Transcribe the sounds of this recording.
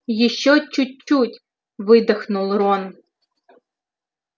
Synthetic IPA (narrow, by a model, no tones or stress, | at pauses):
jiʃːɔt͡ʃʊt͡ʃːutʲ | ʋɪd̪ɐxnʊlˠrɔn